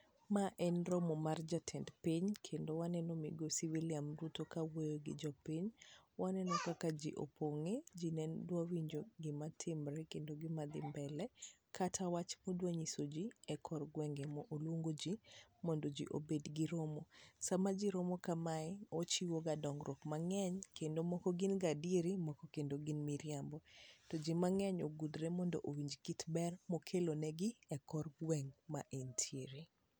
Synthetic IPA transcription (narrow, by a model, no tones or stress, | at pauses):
maʔɛnɾɔmɔmard͡ʒatʰɛndpiɲkʰendowanɛnɔmḭɡosɪviliamɾutokawojoɡɪ̰d͡ʒɔpiɲwanɛnɔkakad͡ʒiʔo̰pʰoŋed͡ʒinɛndwawiɲd͡ʒoɡɪmatʰɪmɾɛkendoɡɪmad̪ɪ̰mbɛlɛkʰatʰawat͡ʃmɔdwaɲisod͡ʒiɛkʰɔrɡwɛŋɡemɔʔolwoŋɡod͡ʒimɔndod͡ʒḭʔo̰bedɡɪɾomosamad͡ʒiɾomokamaɛot͡ʃiwoɡadɔŋɡɾɔkmaŋɛɲkendomɔkɔɡɪnɡadjeɾimɔkɔkendoɡɪnmiɾjambɔtɔd͡ʒimaŋɛɲo̰ɡudɾemɔndo̰ʔowiɲd͡ʒkitbɛrmɔkʰelonɛɡɪɛkɔrɡwɛŋma̰ʔentʰjeɾi